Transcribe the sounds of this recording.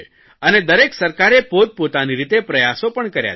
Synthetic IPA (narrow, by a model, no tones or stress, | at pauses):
əned̪əɾeksəɾkaɾepod̪̚pot̪aniɾit̪epɾəjasopəɳkəɾja̰